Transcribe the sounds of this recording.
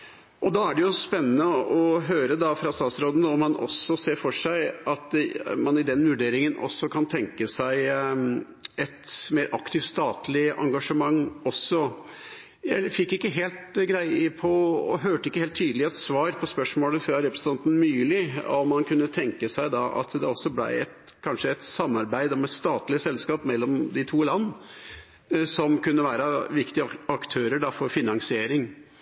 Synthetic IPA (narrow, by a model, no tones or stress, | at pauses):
ʔɔd̪ɑæɖɛjʊspɛnːənəɔɦøːɾəd̪ɑfɾɑst̪ɑːsɾoːd̪ənəɔmːɑnʔɔ̰sːɔseːfɔʂæɪɑt̪mɑnɪd̪ɛnʋʉɖeːɾɪŋənʔɔ̰sːɔkʰɑnt̪ʰɛŋkəsæɪ | ɛt̪meːɾʔɑkt̪ʰɪft̪st̪ɑːt̪lɪʔɑ̰ŋɡɑʂəmɑŋːɔsːɔ | jæɪfɪkːɪkːəɦeːlt̪ɡɾæɪəpʰɔɔ̰ɦøːʈəɪkːəheːlt̪ʰːyːd̪əlɪɛt̪sʋɑːɾpʰɔspœʂmoːləfɾɑɾɛpɾəsn̩t̪ʰɑnt̪n̩myːlɪɔmːɑnkʰʉnːət̪ʰɛŋkəsæɪd̪ɑʔɑ̰t̪d̪ɛɔsːɔblæ̰ɪɛ̰t̪ | kʰɑnʂəɛt̪sɑmːɑɾbæɪd̪ɔmɛt̪st̪ɑːt̪lɪəsɛlskɑːpmɛlːɔmd̪ɪt̪ʰuːlɑnː | sɔmkʉnːəʋæːɾəʋɪkt̪ɪəɑkt̪ʰøːɾəɖɑfɔɾfɪnɑŋsɪeːɾɪŋ